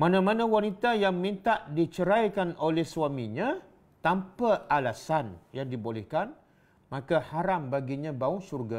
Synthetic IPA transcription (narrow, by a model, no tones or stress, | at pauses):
mãnãmãnãwanit̪ajaŋmĩnt̪aʔdit͡ʃəɾajkanʔolɛhsuwamĩɲã | t̪ampaʔalasanjaŋdibolɛhkan | mãkahaɾambaɡiɲãbaʊŋsurɡa